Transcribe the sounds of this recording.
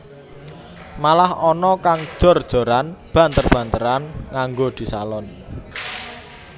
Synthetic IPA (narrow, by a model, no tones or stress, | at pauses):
malahɔnɔkaŋd̥ʒ̥ɔ̤rd̥ʒ̥o̤ɾanb̥ä̤nt̪ərb̥ä̤nt̪əɾanŋaŋɡod̪̥i̤salɔn